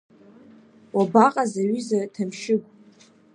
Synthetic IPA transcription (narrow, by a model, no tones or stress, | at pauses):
wabaqʼazaɥyzatʰamʃɪɡʷʼ